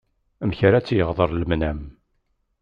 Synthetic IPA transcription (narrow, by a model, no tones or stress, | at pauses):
əmçɾat͡sːjəʁðˤəɾˤləmnæm